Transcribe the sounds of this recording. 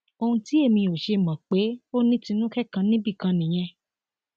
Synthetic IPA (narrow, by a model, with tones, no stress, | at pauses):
o˧hũ˧ti˨˦e˦˨mĩ˧o˨ʃe˧mã˨k͡pe˨˦o˦nĩ˦tĩ˧nũ˦kɛ˦˨kã˧nĩ˦bi˦˨kã˧nĩ˨j̃ɛ̃˧